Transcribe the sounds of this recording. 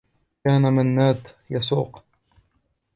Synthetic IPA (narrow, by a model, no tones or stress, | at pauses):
aːnamanːaːt̪ | jɑsˤṵːq